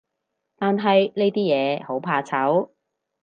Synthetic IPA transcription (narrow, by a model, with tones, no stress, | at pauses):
t̪aː˨nɦɐ˨jleː˥t̪iː˥jɛː˨˧ho˨˥wpʰaː˧t͡sʰɐ˨˥w